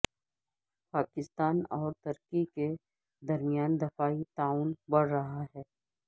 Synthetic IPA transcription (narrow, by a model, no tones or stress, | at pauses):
paːkɪst̪aːnɔːɾt̪ɐɾkike | d̪ɐɾmɪjaːnd̪ɪfaːit̪aːuːnbɐɽ̤ɾɐɦaɦɛː